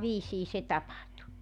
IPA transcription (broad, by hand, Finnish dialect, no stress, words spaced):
ʋiːsiː se tɑpɑhtu